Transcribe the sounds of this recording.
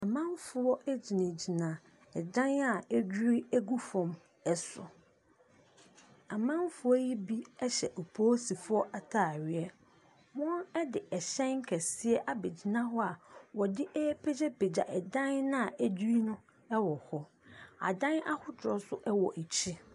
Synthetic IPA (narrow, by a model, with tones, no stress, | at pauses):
a˨mã˦m˦fʊ˨ɔ˦ʔɛ˦d͡ʑi˨nã˨d͡ʑi˨nã˨ | ɛ˨dã˦na˨æ˦d͡ʑᶣu˦ɾi˦æ˦ɡu˦fɔ̃˨m | ɛ˦sʊ̰˨ | a˨mã˦m˦fʊ˨˦ɔ˦ji˦bi˦ɛ˦ɕɛ̰˨ʔo˨pʰoː˦si˨fʊ˦ɔ˦ʔa˨tʰa˦˨ɥɪ˨ɛ˦ | mɔ̃˦nɛ˦dɪ˨ɛ˨ɕɛ̃˦ŋ˦kʰɛ˨sɪ˦ɛ˦ʔa˦be˨d͡ʑi˨nã˦ɦɔ˦a˨wɔ˨dɪ˦ʔɛ˦pʰe˦d͡ʑɛ˦pe˨d͡ʑa˨ʔɛ˨dã˦nnã˦a˨æ˦d͡ʑu˦ɾi˦nʊ̃˦ | ɛ˦wɔ˨hɔ˦ | a̰˨dã˦na˦hʊ˦tʰʊ˨ɾɔ˨sʊ˦ʔɛ˦wɔ˨ʔe˨t͡ɕʰi˦